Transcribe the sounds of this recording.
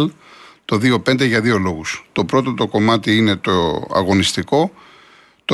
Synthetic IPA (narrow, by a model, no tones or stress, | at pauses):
l | t̪o̞ðio̞pe̞nd̪e̞ʝɐðio̞lo̞ɣust̪o̞pɾo̞t̪o̞t̪o̞ko̞mɐt̪iine̞t̪oɐ̰ɣo̞nist̪iko̞ | t̪o